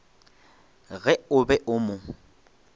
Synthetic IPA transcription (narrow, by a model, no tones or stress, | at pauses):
ɣɛʊbɛʔʊmʊ